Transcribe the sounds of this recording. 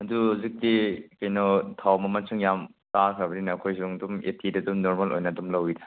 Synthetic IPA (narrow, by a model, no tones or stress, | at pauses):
hɐduhuzik̚dikɐjnɔtʰawmɐmɐt͡ʃʰɯŋjamtakʰabɐninɐːkʰojsuŋdumḛtʰidɐdumnoɾmɐlʔo̰jnɐdumlɐwidɐ̥